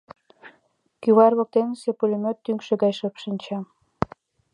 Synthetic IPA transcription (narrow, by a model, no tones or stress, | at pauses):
kyβɑrβok̚t̪ensepulʲymʲøt̪ːyŋkʃĕɣɑjʃɤpʃənʲt͡ɕɑ